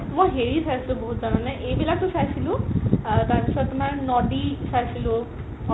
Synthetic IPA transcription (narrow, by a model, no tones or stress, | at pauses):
mojɦeɾisʰaɾsʰilũboɦut̪zanɔnɛʔejbilak̚t̪usajsʰilũt̪aɹpisɔt̪umaɹnɔɖisasʰilu